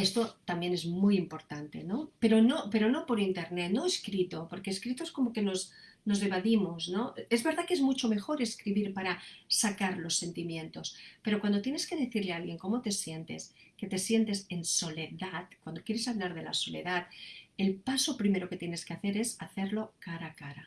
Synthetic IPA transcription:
e̞st̪o̞t̪ambje̞ne̞zmujimpo̞ɾt̪ant̪e̞no̞pe̞ɾo̞no̞pe̞ɾo̞no̞po̞ɾint̪e̞ɾnet̪no̞eskɾit̪o̞po̞ɾke̞ːskɾit̪oesko̞mo̞ke̞no̞s | no̞zðeβ̞aðimosno̞e̞zβe̞ɾðake̞zmut͡ʃo̞me̞xo̞ɾe̞skɾiβiɾpaɾasakaɾlo̞sːe̞nt̪imjẽ̞nt̪o̞spe̞ɾo̞kwand̪ot̪je̞ne̞ske̞ð̞e̞θiɾlealɣje̞ŋko̞mo̞t̪e̞sje̞nt̪e̞̰ske̞t̪e̞sje̞nt̪e̞se̞nso̞le̞ðatkwand̪o̞kje̞ɾe̞saβlaɾð̞e̞la̰so̞le̞̰ðaðelpaso̞pɾime̞ɾo̞ke̞t̪jene̞skeaθe̞ɾe̞saθe̞ɾlo̞kaɾakaɾa

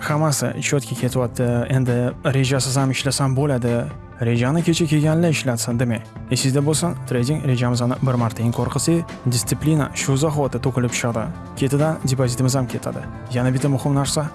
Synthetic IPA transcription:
hamasɪ̰t͡ʃʰot̪kʰʲakʲʰe̞t̪ʰɪwɒt̪ʰːɪe̞nd̪ɪɾe̞ʒasɪzamɪʃlasanbolad̪ɪ | ɾe̞d͡ʒanɪkʲʰe̞t͡ʃʰakʲʰe̞ɡʲanlɪɪʃlad̪sand̪emaj | esɪzd̪abolˠsant̪ʰɾejd̪ʲɪŋɾe̞d͡ʒamɪzanɪbɪɾmaɾt̪ʰaɪŋkʰɒɾqʰɨsej | d̪ʲɪst̪sɪplina̰ʃuzaχt̪ɪt̪ʰokʲɪlɪpʃɨd̪ɪ | kʲʰe̞t̪ʰɪd̪and̪ʲepozʲit̪ɪmɪzamkʲʰe̞t̪ʰa̰d̪ɪ̰ | janabɪt̪amʊhɪmnaɾsa

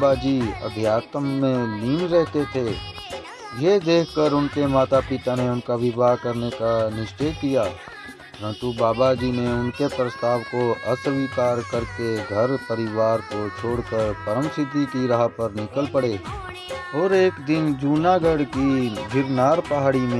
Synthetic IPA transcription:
bad͡ʒiːɐ̰b̪ʱjaːt̪mːẽliːnɾɛɦt̪et̪ʰe | jed̪eːkʰkəɾʊnkemaːt̪apɪt̪aneʊnkaʋɪbakɐɾnekanɪʃt͡ʃejkijaː | pɐɾə̃nt̪ubaːbad͡ʒiːneʊnkepɾəst̪aːʋkoɐsəʋiːkaːɾkəɾkeɡʱɐɾpɐɾɪʋaːɾkot͡ʃʰoːɽkəɾpɐɾə̃msɪt̪ikiɾɐɦapɐɾnɪkəlpɐɽeː | ɔːɾeːkd̪ɪnd͡ʒuːnaɡəɽkibʱɪɾnaːɾpɐɦaːɽimẽ

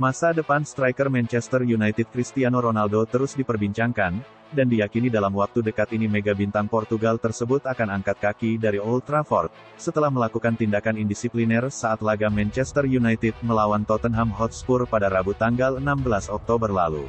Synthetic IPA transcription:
masadəpanst̪ɾajkərmɛnt͡ʃɛst̪ərjunajt̪ɪt̪̚kɾist̪ianoɾonaldot̪əɾusdipərbiɲt͡ʃaŋkan | dandijakinidalamwak̚t̪udəkat̪inimeɡabint̪aŋpɔrt̪uɡalt̪ərsəbut̪akanaŋkat̪̚kakidaɾiolt̪ɾafɔ̰rt̪̚ | sət̪əlahməlakukant̪indakanindisiplinɛrsaːt̪laɡamɛnt͡ʃɛst̪ərjunajt̪ɪd̪̚məlawant̪ɔt̪ənɦamɦɔt̪spurpadaɾabut̪aŋɡalənambəlasɔk̚t̪obərlalṵ

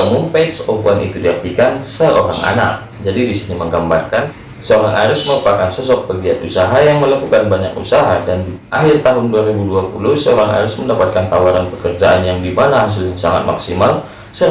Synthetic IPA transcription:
əmupeksopuanḭt̪udiak̚t̪ikansəoɾa̰ŋa̰na̰k̚ | d͡ʒadidisiniməŋɡambarkan | səoɾaŋʔaɾʊsməɾupakansəs̬ɔk̚pəɡiat̪usaɦajaŋməlakukanbaɲakṵsaɦadandiʔaɦɪrt̪aɦʊnduaɾibuduapulʊhsəoɾaŋa̰ɾʊsməndapat̪̚kant̪awaɾanpəkərd͡ʒaʔanjaŋdimanaɦas̬ɪljaŋsaŋat̪̚ma̰ksimal | sə

